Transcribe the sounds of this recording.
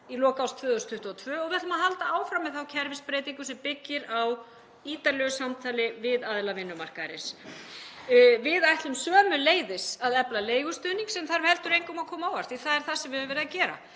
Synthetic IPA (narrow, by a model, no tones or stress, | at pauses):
ilɔːkawst̪ʰvœːðʏst̪ʰʏht̪uɔt̪ʰvœːɔɣvɪat̪maɦalt̪aaːwfɾamːɛðθawcʰɛɾvɪspɾeːjt̪iŋkʏsɛmpɪcːɪɾaw | iːt̪aɾlœɣʏsamt̪ʰaːlɪvɪðaðlavɪnːʏmar̥kaðɾɪns | vɪðajht̪lʏmsœːmʏleːjðɪsaðɛplaleːjɣʏst̪ʏniŋksɛmθaɾhɛlt̪ʏɾejŋkʏmakʰɔːmaawar̥t̪iθaðɛɾ̥θasɛmvɪhʏmvɛɾɪðacɛːɾa̰